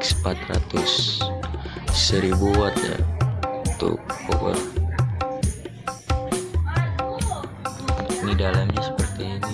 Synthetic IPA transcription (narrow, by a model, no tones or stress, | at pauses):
səmpat̪ra̰t̪ʊs | əɾibuwat̪a̰ | t̪ṵkːobə̰r | nidalamɲasə̥pərt̪iːni